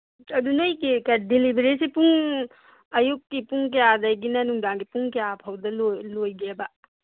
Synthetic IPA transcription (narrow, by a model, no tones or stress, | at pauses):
ɐdunajkikɐdilibeɾisipuŋ | ɐjuk̚ːipuŋk̬ɐjadajɡinɐnuŋdaŋɡipuŋkɐjapʰawdɐlolojɡebɐ